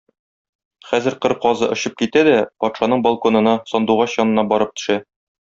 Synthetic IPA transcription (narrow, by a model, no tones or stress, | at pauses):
χæzɘ̆ɾqɤɾqɒzɤʔŏɕɤp̚kit̪æd̪æpɒt̪ʃɑnɤɴbɐlˠkonɤ̆nɑsɒnd̪uʁɑɕjɒnɤ̆nɑbɒɾɤp̚t̪ɵ̥̆ʃæ